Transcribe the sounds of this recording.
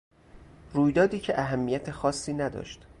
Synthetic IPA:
ruːjd̪ɒːd̪iːcʰe̞ʔæɦæmːijæt̪ʰexɒːsːiːnæd̪ɒ̰ːʃt̪

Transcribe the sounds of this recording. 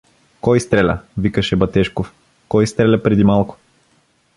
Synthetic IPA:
kɔjst̪ɾɛlʲɐ̰vikəʃɛbɐt̪ɛʃkof | kɔjst̪ɾɛlʲɐpɾɛd̪imalˠkʊ̥

